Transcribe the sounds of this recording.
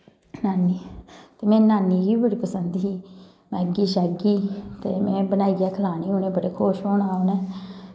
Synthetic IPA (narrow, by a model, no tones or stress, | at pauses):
naːniːt̪eːmɛ̃ːnaːniːʋiːbəɽiːpəsənd̪iː | mɛ̃ːɡiːʃɛːɡiːt̪eːmɛ̃ːbənaːiːɡɛːkʰəlaːniːoːnẽːbəɽeːkʰoːʃɦoːnaːonɛː